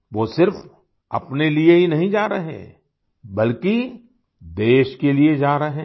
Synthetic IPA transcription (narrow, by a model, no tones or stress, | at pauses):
ʋoːsɪɾf | ɐ̰pnelieɦinɐɦĩd͡ʒaːɾɐɦḛ̃ː | bɐlki | d̪eːʃkelied͡ʒaːɾɐɦẽː